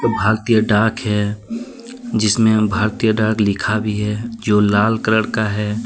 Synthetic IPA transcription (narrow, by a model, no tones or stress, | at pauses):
bʱaːɾt̪ijəɖaːkɦɛ | d͡ʒɪsmẽbʱaːɾt̪ijəɖaːklɪkʰabʱiɦɛd͡ʒoːlaːlkəɾəɽkaɦɛː